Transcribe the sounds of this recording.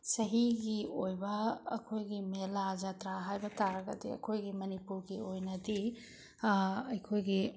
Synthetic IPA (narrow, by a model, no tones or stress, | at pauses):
sɐɦiɡiojbɐːkʰojɡimelazatɾaɦajbɐtaɾɐɡɐ̰diɐ̰kʰojɡimɐnipuɾɡiojnɐdi | ɐjkʰojɡi